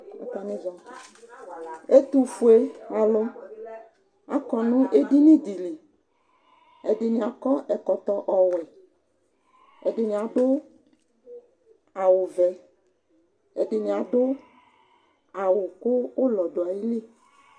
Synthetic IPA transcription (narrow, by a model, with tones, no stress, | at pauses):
a̰˨˦ta˨nĩ˦zɔ̃˨ | e˦t̪u˨fu˨e˦a˨lo˦ | a̰˨kɔ˨nʊ̃˦ʔe˦di˦nĩ˦d̪i˨li˨ | ɛ˨dɪ˨nĩ˨a˨kɔ˦ʔɛ˨kɔ˨t̪ɔ˨ʔɔ˨wɛ˨ | ɛ˨dɪ˨nĩ˨a˨ɖʊ˦ | a˨wo˨vɛ˨ | ɛ̰˨ɖɪ˨nĩ˨a˨ɖʊ˦ | a˨wʊ˨kʊ˦wo˦lɔ˨ɖo˨a˨ji˦li˦˨